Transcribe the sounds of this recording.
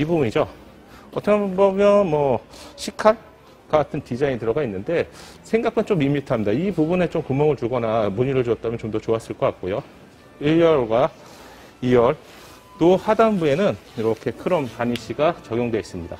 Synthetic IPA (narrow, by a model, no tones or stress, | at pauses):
ibubuɲid͡ʑo | ʌtʰʌkʰabʌmjʌnmʌɕʰikʰaɭ | kakatʰɯntid͡ʑaŋitɯɾʌɡainːɯnde̞ | sʰe̞ŋɡak͈ʰant͡ɕomimitʰamɲidaipubune̞t͡ɕomkumːʌŋɯɭtuɭɡʌnamuɲiɾɯɭt͡ɕuʌt͈̚amjʌnt͡ɕomdʌt͡ɕoas͈ɯɭk͈ʌk͈ak̚k͈ojo | iɭjʌɭɡwa | iwʌɭ | tohadanbue̞nɯniɾʌkʰe̞kʰɯɾʌmpaɲiɕʰiɡat͡ɕʌɡjoŋdwe̞is͈ɯmɲida̰